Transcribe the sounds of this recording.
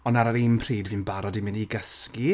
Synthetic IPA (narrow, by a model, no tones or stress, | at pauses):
ɔnaɾaɾimpʰriːdviːnbaɾɔdimɪniɡəski